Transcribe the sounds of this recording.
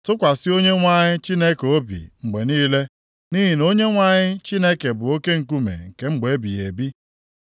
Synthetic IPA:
tʊ˦kʷa˨sɪ˦o˦ɲe˦ŋʷa˦ɲɪ˦t͡ʃi˦ne˦ko˦bḭ˨ŋ͡m̩˨ɡ͡be˨niː˦le˦ | ni˦ɦi˨no˦ɲe˦ŋʷa˦ɲɪ˦t͡ʃi˦ne˦ke˨bʊ˨o˦ke˦ŋ̩˨k̬u˦mḛ˨ŋ̩˨ke˦ŋ͡m̩˦ɡ͡be˨˦bi˨e˨bi˦

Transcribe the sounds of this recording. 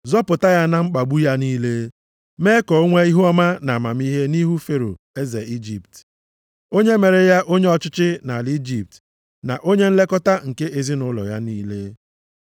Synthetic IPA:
zɔ˦pʊ˨ta˦ja˦na˦ŋ͡m̩˦k͡pa˨ɡ͡bu˦ja˦niː˦le˦ | me˦kɔ˨o˦ŋʷe˦i˦ɦu˦ɔ˦ma˦na˨a˨ma˨m˦i˦ɦe˦ni˦ɦu˦fe˦ɾo̰˨ | e˦ze˨i˦d͡ʒi˨pt | o˦ɲe˦me˨ɾe˨ja˦ʔo˦ɲe˦ɔ˨t͡ʃɪ˦t͡ʃɪ˦na˨li˦d͡ʒi˨p̚t | na̰˨ʔo˦ɲe˦n̩˦le˦kɔ˦ta˦ŋ̩˨ke˦ʔe˨zi˦nʊ˦lɔ̰˨ja˦niː˦le˦

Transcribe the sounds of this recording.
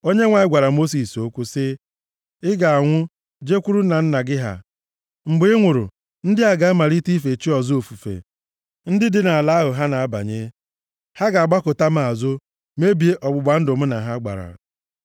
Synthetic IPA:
o˦ɲe˦ŋʷa˨ɪ˦ɡʷa˨ɾa˨mo˦s̬i˨so˦kʷu˦sɪ˦ | ɪ˦ɡa˨a˨ŋʷʊ˦ | d͡ʒe˦kʷu˦ɾu˦na˨n̩˦na˨ɡɪ˦ɦa̰˨ | ŋ͡m̩˨ɡ͡bʊ˨˦ɪ˦ŋʷʊ˨ɾʊ̰˨ | n̩˦dɪ˦a˨ɡa˦ma˨ɾi˦ti˦fe˨t͡ʃi˦ɔ˨zo˨fu˨fḛ˨ | n̩˦dɪ˦dɪ˦na˨a˨la˦ɦʊ˨ɦa˦na˨a˦ba̰˨ɲe˦ | ha˦ɡa˨a˨ɡ͡ba˦kʊ˨ta˦m̩˦a˨zʊ˦ | me˦bi˨˦e˦ʔɔ˨ɡ͡bʊ˨ɡ͡ba˨n̩˦dʊ˨m̩˦na˨ɦa˦ɡ͡ba̰˨ɾa̰˨

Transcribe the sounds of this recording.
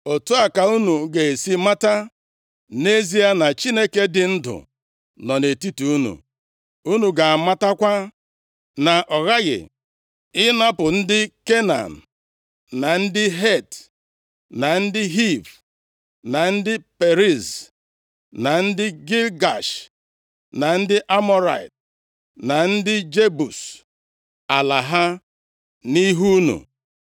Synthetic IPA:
o˨tu˦a˨ka˨u˦nu˨ɡe˨e˨si˦ma˦ta˦ | ne˦zi˦a˦na˨t͡ʃi˦ne˦ke˦dɪ˨n̩˦dʊ̰˨ | nɔ˨ne˨ti˦tu˨u˦nṵ˨ | u˦nu˨ɡa˨a˨ma˦ta˦kʷa˦ | na˨ʔɔ˨ɣa˦ɣɪ̰˨ | ɪ˦na˦pʊ˨n̩˦dɪ˦ke˦na̰˨n̩˨ | na˨n̩˦dɪ˦ɦe˦˨t | na˨n̩˦dɪ˦ɦi˦˨v | na˨n̩˦dɪ˦pe˨ɾi˦˨z | na˨n̩˦dɪ˦ɡi˦lɡa˨ʃ | na˨n̩˦dɪ˦ʔa˦mɔ˦ɾa̰˨i˨t | na˨n̩˦dɪ˦d͡ʒe˦bu˨s | a˨la˨ɦa˦ | ni˦ɦu˦nṵ˨

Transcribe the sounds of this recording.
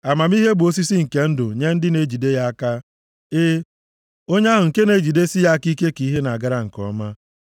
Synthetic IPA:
a˨ma˨m˦i˦ɦe˦bo˦s̬i˦si˦ŋ̩˨ke˦n̩˦dʊ˨ɲe˦n̩˦dɪ˦ne˨d͡ʒi˨de˦ja˦a˦ka˦ | e˦ | o˦ɲe˦ɦʊ˨ŋ̩˨ke˦ne˨d͡ʒi˨de˦si˦ja˦ki˦ke˦ki˨˦ɦe˦na˨a˨ɡa˦ɾa˦ŋ̩˨kɔ̰˦ma˦

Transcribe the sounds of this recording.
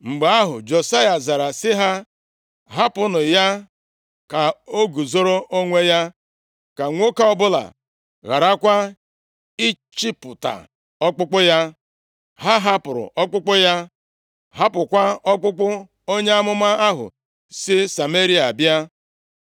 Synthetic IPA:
ŋ͡m̩˨ɡ͡ba˨˦a˦ɦʊ̰˨d͡ʒo˨sa˦ja˨za˨ɾa˨sɪ˦ɦa˦ | ɦa˦pʊ˦nʊ˨ja˦ | ka˨o˦ɡu˨zo˦ɾo˦ʔo˦ŋʷe˦ja˦ | ka˨ŋʷo˦ka˦ɔ˦bʊ˦la̰˨ | ɣa˨ɾa˦kʷa˦ | i˦ | t͡ʃi˦pʊ˨ta̰˨ | ɔ˦k͡pʊ˦k͡pʊ˦ja˦ | ɦa˦ɦa˦pʊ˨ɾʊ̰˨ʔɔ˦k͡pʊ˦k͡pʊ˦ja˦ | ɦa˦pʊ˨kʷa˦ɔ˦k͡pʊ˦k͡pʊ˦ | o˦ɲe˦a˦mʊ˦ma˦a˦ɦʊ̰˨ | sɪ˦sa˨me˦ɾi˦a˨bja˦

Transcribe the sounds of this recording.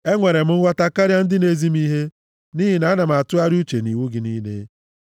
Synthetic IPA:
e˦ŋʷe˨ɾe˨m̩˦ŋ̩˦wʷa˦ta˦ka˦ɾja˦n̩˦dɪ˦ne˦zi˦m̩˦i˦ɦe˦ | ni˦ɦi˨na˨˦na˨m˨a˨tʊ˦a˦ɾu˦t͡ʃe˨ni˨wu˦ɡɪ˨˦ni˦nḛ˦

